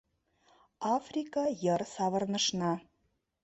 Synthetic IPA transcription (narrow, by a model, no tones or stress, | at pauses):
ɑfrʲikɑjɤ̆rsɑβɤ̆rnə̆ʃnɤ